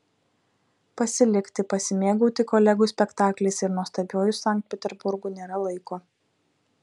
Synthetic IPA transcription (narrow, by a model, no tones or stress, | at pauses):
pɐsʲɪlʲɪkt̪ʲɪpɐsʲɪmʲeːɡuːt̪ʲɪkɔːlʲɛɡʊːsʲpʲɛkt̪ɑːklʲɛɪsɪɾnuɔst̪ɐbʲoːjʊsːɑˑŋkt̪̚ʲpʲɛt̪ʲɛɾbʊɾɡʊːnʲeːɾɐlˠɐɪkoː